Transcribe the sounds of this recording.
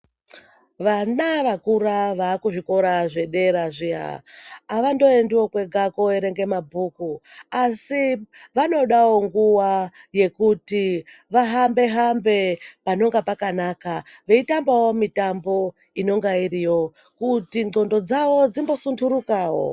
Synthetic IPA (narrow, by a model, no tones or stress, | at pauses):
ʋanaʋakuɾaʋaːkuʐiko̞ɾaʐe̞ɗe̞ɾaʐija̰ː | ʋando̞endiwo̞kwe̞ɡʱako̞eɾe̞ŋɡe̞mabʱukuasiʋano̞ɗawo̞ŋɡuwaje̞kutiʋaɦambe̞ɦambe̞pano̞ŋɡapakanakaʋe̞itambawo̞mitambo̞ | ino̞ŋɡaiɾijo̞ | kutiŋ͡ǀo̞ndo̞d͡zaʋo̞d͡zimbo̞sunduɾukaːwo̰